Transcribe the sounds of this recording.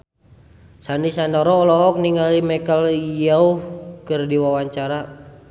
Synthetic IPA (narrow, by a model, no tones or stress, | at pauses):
sandisandɔɾɔːlɔɦɔk̚niŋalimɛkəlijaukɨrdiwawaɲt͡ʃaɾa